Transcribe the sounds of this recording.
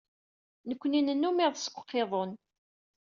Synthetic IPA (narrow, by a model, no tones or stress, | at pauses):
nəkʷːninənːumɪðˤsə̥kʷːqːeðˤon